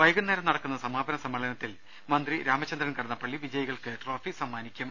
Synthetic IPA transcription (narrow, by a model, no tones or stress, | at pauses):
ʋɐjɣunːeːɾɐmnɐɽɐkːunːɐsɐmaːbɐnɐsɐmːɐɭɐnɐt̪ːil | mɐnd̪riɾaːmɐt͡ɕːɐnd̪ɾɐnkɐɽɐnːɐpːɐɭːiʋid͡ʑɐjɐɣɐɭkɨʈro̞ːfisɐmːaːnikʲːum